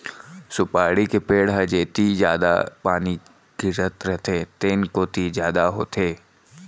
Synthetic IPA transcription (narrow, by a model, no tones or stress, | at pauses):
sʊpaːɽikepeːɽɦəd͡ʒeːt̪id͡ʒjaːd̪a̰paːni | ɡ̥ɪɾət̪ɾɛt̪ʰet̪eːnkot̪izjaːd̪aɦo̰ːt̪ʰeː